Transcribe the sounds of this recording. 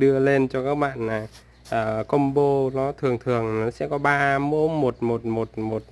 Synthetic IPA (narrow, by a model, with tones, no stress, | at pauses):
ɗɨ˧əle˧nt͡ɕɔ˧kaː˦˥k̚ɓa̰ː˧˨nlaː˨˩ | ʔəː˨˩kə˧wŋ͡mɓo˧nɔ˨˦t̪ʰɨ˨˩əŋt̪ʰɨ˨˩əŋ˨nɔ˨˦sɛ̰˧˥kɔ˨˦ɓaː˧mo̰˧˥˦mo˨˩t̚mo˨˩t̚mo˨˩t̚mo˨˩t̚